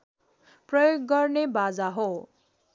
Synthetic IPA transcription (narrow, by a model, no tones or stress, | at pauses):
prʌjoɡːʌrnebad͡zaɦo